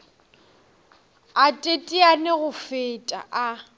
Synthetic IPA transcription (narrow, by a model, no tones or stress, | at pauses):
atʼetʼianɪɣʊfetʼa̰ʔa